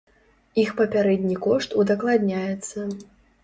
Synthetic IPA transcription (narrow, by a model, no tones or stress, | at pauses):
ixpɐpʲaɾɛd̪ʲnʲikɔʂt̪ud̪ɐklˠad̪ʲnʲajɛt̪sːɐ